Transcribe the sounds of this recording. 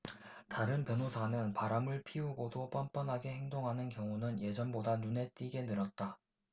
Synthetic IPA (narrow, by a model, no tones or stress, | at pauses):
taɾɯnpjʌnosʰanɯnpaɾamɯɭpʰiuɡodop͈ʌmp͈ʌnɦaɡe̞he̞ŋdoŋɦanɯnkjʌŋunɯnje̞d͡ʑʌnbodanune̞t͈iɡe̞nɯɾʌt̚t͈a